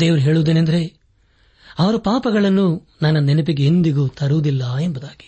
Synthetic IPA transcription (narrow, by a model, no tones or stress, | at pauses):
d̪eːʋɐɾuɦeːɭuʋd̪enend̪ɐɾe̞ | ɐʋɐɾupaːpɐɡɐɭɐnːu | nɐnːɐnɛnɐp̬iɡeːnd̪iɡuːt̪ʰɐɾuʋd̪ilːɐembud̪aːɡ̥i̥